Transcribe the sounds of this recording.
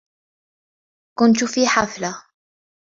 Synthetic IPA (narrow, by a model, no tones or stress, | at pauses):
kʊnt̪fiːħafla